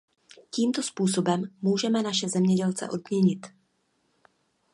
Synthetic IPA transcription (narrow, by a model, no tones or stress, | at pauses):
ciːmt̪o̞spuːso̞bɛmːuːʒɛmɛnaʃɛzɛmɲɛɟɛlt͡sɛ̰ʔo̞d̚mɲɛɲɪt̪